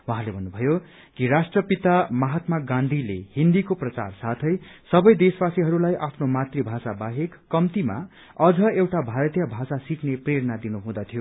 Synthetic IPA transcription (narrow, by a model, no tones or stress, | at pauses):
wuɦãlebʱʌnːubʱʌjo | kirasʈrʌpit̪amʌɦat̪maɡãnd̪ʱilehind̪ikoprʌt͡sa̰rsat̪ʰʌjsʌbʌjd̪esbasiɦʌɾulajʔapʰnomat̪ribʱasabaɦekːʌmt̪ima̰ | ʌd͡zʌewʈabʱaɾʌt̪jʌbʱasasiknepreɾʌnad̪inuɦũd̪ʌt̪ʰijo